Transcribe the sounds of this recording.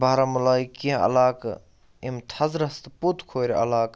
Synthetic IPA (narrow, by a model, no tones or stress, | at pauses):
bʱaːɾamulaːjkĩɐ̰laːk | imt̪ʰɐzɾɐst̪put̪ʰkʰoːɾɐ̰laːk